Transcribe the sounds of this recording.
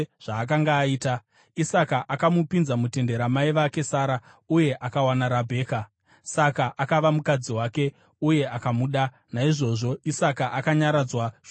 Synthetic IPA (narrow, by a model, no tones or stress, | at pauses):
ʐ̥aːk̬aŋɡaːiːta | isakaʔakamupinzamute̞nde̞ɾamaiʋake̞saːɾa | uje̞ʔakawanaɾabʱe̞ːka | sakaʔakaʋamukad͡ziwaːke̞ | uje̞ʔakamuɗa | naiʐo̞ʐo̞isakaʔakaɲaɾad͡zwaʐ